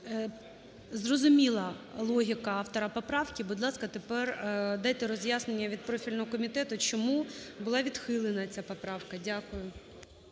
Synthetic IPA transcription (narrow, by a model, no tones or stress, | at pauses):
zrɔzʊmʲilˠɐlˠɔɦʲikɐɑft̪ɔɾɐpɔpɾɑwkʲibʊd̪lˠɑskɐt̪epɛrd̪ɑjt̪ɛɾɔzʲjasnenʲːɐʋʲid̪pɾɔfʲilʲnɔɦɔkɔmʲit̪ɛt̪ʊt͡ʃɔmubʊlˠɑʋʲid̪xɪlˠenɐt͡sʲapɔpɾɑwkɐdʲakʊjʊ